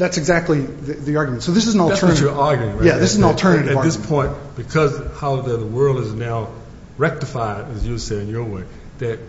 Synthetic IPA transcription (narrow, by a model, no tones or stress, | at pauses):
ðætsɨɡzæk̚tˡliðɨðiɑɹɡjmɨ̃ntsoʊðɪsɨzn̩l̩ˠtʰɜ˞nɨt͡ʃəɑɹɡjʉɪ̃ŋɹjæðɪsɨzn̩l̩ˠtʰɜ˞nɨɾɨɨðɪspʰɔ̃ɪ̃nb̥ɨkʰʌzhaʊðəðəwɜ˞lˠdɨznaʊ | ɹɛk̚tɨfaɪɾɨzjɨseɪɨ̃njə˞weɪ | ðɨt̚